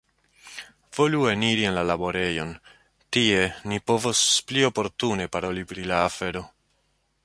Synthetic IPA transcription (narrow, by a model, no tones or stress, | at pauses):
v̥o̞lueniɾie̞nlalabo̞ɾe̞jo̞n | tie̞nipo̞vosplio̞po̞ɾtune̞paɾo̞lipɾilaːfe̞ɾo̞